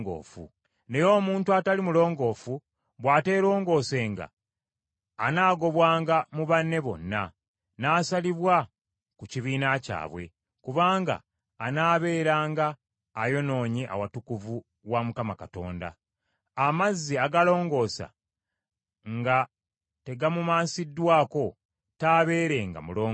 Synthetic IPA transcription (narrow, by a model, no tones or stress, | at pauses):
ɡo̰ːfṵ | ne̞jo̞ːmuːntuatalimulo̞ːŋɡo̞ːfu | βwaːte̞ːɾo̞ːŋɡo̞ːse̞ŋɡa̰ | naːɡo̞βwaːŋɡamuβanːe̞βo̞̰nːa̰ | naːsaliβwa | kuciβiːnaca̰ːβwe̞̰ | kuβaːŋɡa̰ː | naːβe̞ːɾaːŋɡaː | jo̞no̞ːɲiʔa̰watukuvu | wamukamakato̞̰ːnda̰ | amazːiaɡalo̞ːŋɡo̞ːsa̰ | ŋɡa | te̞ɡamumaːnsidːwaːko̞ | taːβe̞ːɾe̞ŋɡa̰muloː